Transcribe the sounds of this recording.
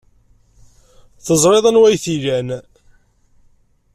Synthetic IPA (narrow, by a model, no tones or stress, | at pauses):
θəzˤɾˤeðˤənwæjθilæn